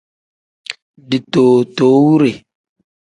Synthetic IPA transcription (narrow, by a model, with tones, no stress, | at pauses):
di˨toː˨toː˨˦wu˦ɾe˨